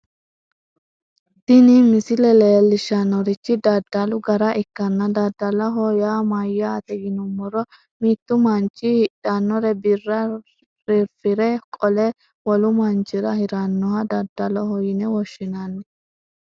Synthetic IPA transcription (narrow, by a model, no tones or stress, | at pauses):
d̪̥ɪnɪmɪsɪlɛleːlːɪʃɐnːɔɾɪt͡ʃːɪd̪ɐd̪ːɐlʊɡɐɾɐʔɪkːɐnːɐd̪ɐd̪ːɐlɐɦɔjaːmɐjːaːt̪ɛɡɪnʊmːɔɾɔ | miːt̪ːʊmɐnt͡ʃʼːɪhɪᶑanːɔɾɛbɪrːɐ | ɾɪɾfɪɾɛkʼɔlɛ | wɔlʊmɐnt͡ʃʼːɪɾɐhɪɾɐnːɔhɐd̪ɐd̪ːɐlɔhɔjɪnɛwɔʃːɪnanːɛ